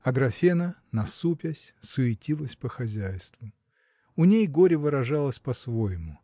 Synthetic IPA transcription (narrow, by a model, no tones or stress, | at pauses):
ɐɡɾɐfʲenənɐsupʲɪsʲsʊɪtʲilˠəsʲpəxɐzʲæjst̪vʊ | ʊnʲejɡoɾʲɪvɨɾɐʐɑlˠəsʲpɐsvojɪmʊ